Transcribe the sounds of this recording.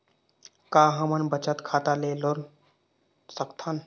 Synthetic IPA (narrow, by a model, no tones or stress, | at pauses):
kaːɦɐmənbət͡ʃət̪kʰaːt̪aleːloɾ | səkt̪ʰən